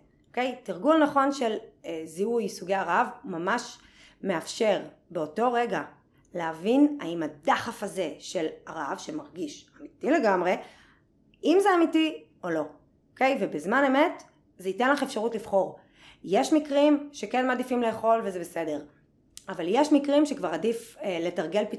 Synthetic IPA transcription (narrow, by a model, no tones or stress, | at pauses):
okejtiʁɡulnaχo̞nʃe̞lziujsuɡeaʁavumamaʃ | meafʃe̞ʁ | beoto̞ʁe̞ɡa | leavinaimadaχafaze̞ʃe̞laʁavʃemaʁɡiʃamitile̞ɡamʁe̞ | imzeamiti | o̞lo̞ | okejvebezmaneme̞t | zeite̞nlaχefʃaʁutlifχo̞ʁ | jeʃmikʁimʃekenmadifimleːχo̞lvezebese̞de̞ʁ | avaljeʃmikʁimʃekvaʁadifle̞taʁɡe̞lpi